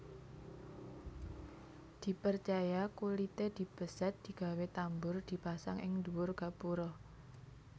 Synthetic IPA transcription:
d̪̥i̤pərt͡ʃajakulit̪ed̪̥i̤b̥ə̤sɛt̪̚d̪̥i̤ɡ̥a̤wet̪ambʊrd̪̥i̤pasa̰ŋʔɪ̰ŋd̪uwʊrɡ̥a̤puɾɔ

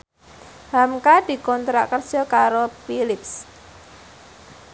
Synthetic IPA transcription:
hamkad̪̥i̤kɔnt̪ɾakərsɔkaɾopilɪps

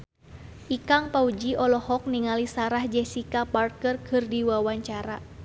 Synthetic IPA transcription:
ʔikaŋpaud͡ʒiʔɔlɔhɔk̚niŋalisaɾahd͡ʒɛsikaparkərkʰɨrdiwawaɲt͡ʃaɾa

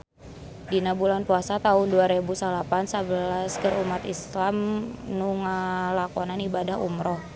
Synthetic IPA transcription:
dinabulanpuasat̪aʊnduaɾebusalapansabəlaskəɾumat̪islamnuŋalakɔnanibadahṵmɾɔh

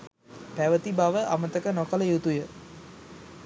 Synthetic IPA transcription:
pæʋət̪ibaʋəʔamət̪əkənokələjut̪ujə

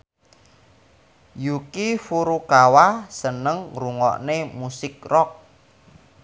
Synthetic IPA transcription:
jukifuɾukawasənəŋruŋɔ̰ʔnemusɪk̚rɔk̚

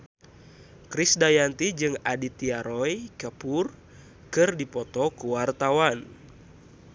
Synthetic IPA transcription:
kɾisdajant̪id͡ʒɨŋadit̪iaɾɔjkəpur | kɨrdipɔt̪ɔkuwart̪awan

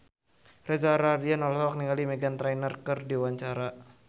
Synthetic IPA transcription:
rɛzaɾadianɔlɦɔk̚niŋalimɛɡant̪ɾajnərkərdiwaɲt͡ʃaɾa

